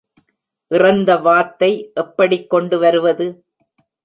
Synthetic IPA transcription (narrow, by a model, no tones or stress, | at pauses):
ʔɪrɐnd̪ɐʋaːt̪ːɐɪʔɛpːɐɽɪkːɔɳɖɯʋɐɾɯʋɐðɯ